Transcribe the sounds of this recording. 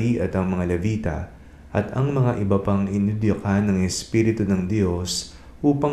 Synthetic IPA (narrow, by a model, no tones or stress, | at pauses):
iʔɐt̪ɐŋmɐŋalɛviːt̪ɐ̰ | ʔɐt̪ɐŋmɐŋaʔɪbɐpɐŋɪnud̪jokanɐŋɛspiːɾɪt̪ʊunɐŋd̪jo̞s | ʔuːpɐ